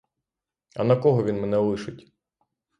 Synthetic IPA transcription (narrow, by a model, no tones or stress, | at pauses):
ɐ̰nɐkɔɦɔʋʲinmɛnɛlˠɪʃɪtʲ